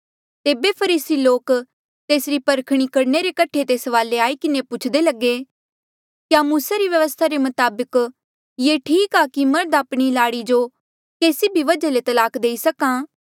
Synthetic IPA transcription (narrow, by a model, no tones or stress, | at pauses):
t̪eːbepʰɐɾiːsiloːk | t̪eːsɾipɐɾkʰɽ̃ikɐɽneɾekɐʈʰːet̪eːsʋaːleaːikɪnepʊt͡ʃʰd̪elɐɡe | kjamuːsaɾiʋjɐʋəst̪ʰaɾemɐt̪aːbək | jeːʈʰiːkakimɐɾd̪aːpɽ̃ilaːɽid͡ʒo | keːsibʱiʋɐd͡ʒalet̪ɐlaːkd̪eːisɐkãː